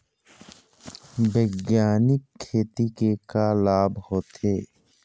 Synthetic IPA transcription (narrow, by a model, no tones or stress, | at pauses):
bəːɡjaːnɪkʰːeːt̪ikekalaːbhoːt̪eː